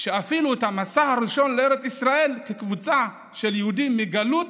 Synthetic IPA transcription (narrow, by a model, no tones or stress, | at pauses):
ʃeafiluet̪hamasahaɾiʃo̞nlee̞ɾet͡sisʁae̞lkekvut͡sa | ʃe̞ljehud̪imːiɡalut̪